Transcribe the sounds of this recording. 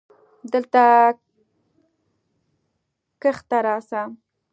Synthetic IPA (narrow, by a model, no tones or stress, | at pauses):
d̪əlt̪a | kəxt̪aɾɑsa